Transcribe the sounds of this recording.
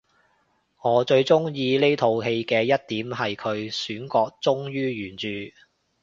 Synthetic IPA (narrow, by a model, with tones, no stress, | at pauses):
ŋɔː˨˥t͡ʃɵ˧ɥt͡sʊ˥ŋjiː˧le˥jt̪ʰo˧wɦe˧jkɛː˧jɐ˥t̚t̪iː˨˥mɦɐ˨jkʰɵ˨˧ɥsyː˨˥nkɔː˧k̚t͡sʊ˥ŋjyː˥jyː˨˩nt͡ʃyː˨